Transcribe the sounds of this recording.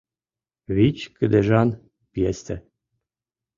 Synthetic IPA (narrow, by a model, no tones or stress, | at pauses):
βit͡ɕkɘd̪eʒɑn | pjest̪ɘ